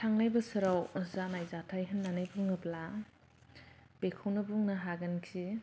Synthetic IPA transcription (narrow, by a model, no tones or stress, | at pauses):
tʰaŋlajbɐsɯɾawzanajzatʰajɦɯnːanajbuŋnɯbla | b̥ekʰownɐbuŋnɐɦaɡɐnkʰi